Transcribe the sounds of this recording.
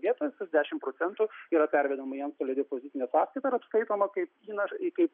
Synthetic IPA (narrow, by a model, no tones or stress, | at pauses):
ʋʲiɛt̪oːjɛsʲɪzʲd̪ʲæːʃʲɪmpɾoːtt͡s̪ʲɛnt̪uiːɾɐpʲæɾʲʋʲɛd̪omɐiɛnst̪oːlʲɛd̪ʲɛpozʲɪt̪sʲɪnʲɛsɑːskɐɪt̪ɐɪɾɐpskɐɪt̪oːmɐkɐɪpiːnɐʃkɐɪp